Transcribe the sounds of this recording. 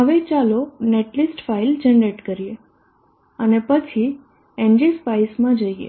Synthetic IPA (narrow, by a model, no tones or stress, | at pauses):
ɦəʋet͡ʃaloneʈlisʈfaild͡ʒəɳɖeʈkəɾije | ənepət͡ʃʰi | end͡ʒispaismãd͡ʒəiḛ